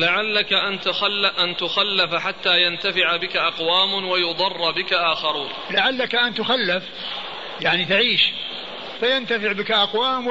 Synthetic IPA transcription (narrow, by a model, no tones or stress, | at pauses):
laʕalːakaʔant̪axalːʔant̪ʊxalːafaħat̪ːaːjant̪afɪʕabɪkaʔɑqwaːmwajʊd̪ˤɑrˤːbɪkaʔaːxɑɾuːn | laʕalːakaʔant̪ʊxalːaf | jaʕnit̪aʕiːʃ | fajant̪afɪʕbɪkaʔɑqwaːm